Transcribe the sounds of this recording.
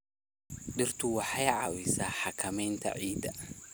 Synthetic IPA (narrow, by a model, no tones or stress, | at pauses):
ɗɪrt̪ʰʊwɑħajʕa̰wɪsaːħakʰɐmɛjnt̪ʰɐ̰ʕiːd̪ɐ